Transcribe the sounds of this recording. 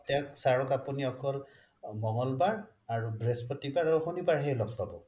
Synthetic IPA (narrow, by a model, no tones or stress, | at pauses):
taksaɹɔkapuniɔkɔl | mɔŋɔlbaɹ | aɹubɹespɔtibaɹaɹuxunibaɹɦejlɔkpabɔ